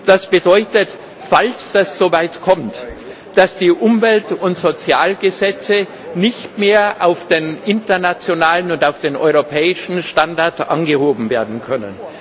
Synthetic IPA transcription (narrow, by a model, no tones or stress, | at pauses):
d̥asb̥ədɔʏtət | falsd̥asz̥oːvaɪtkʰɔmt | d̥asd̥iːʔʊmvɛltʊntz̥ot͡sjaːlɡəzɛt͡sə | nɪçtmeːɐʔaʊfd̥eːnʔɪntɐnat͡sjonaːlənʊntaʊfd̥eːnʔɔ̰ʏʁopʰɛːɪʃn̩ʃtandaɐtʔa̰nɡəhoːbm̩veːɐdn̩kʰœnə̰n